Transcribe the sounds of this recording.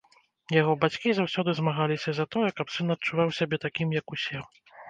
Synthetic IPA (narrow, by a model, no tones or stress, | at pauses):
jaɣɔbat͡sʲkʲizawsʲɔd̪ɨzmaɣalʲisʲɐzɐt̪ɔjɛkɐpsɨnɐt̚t͡ʂuvawsʲabʲɛt̪akʲimjɐkusʲɛ